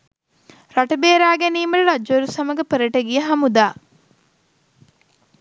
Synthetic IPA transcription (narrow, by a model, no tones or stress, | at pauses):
ɾaʈɐbeːɾaːɡeniːməɾɐɾad͡ʒʋɐɾusɐmɐɡəpəɾəʈəɡijəɦɐmud̪aː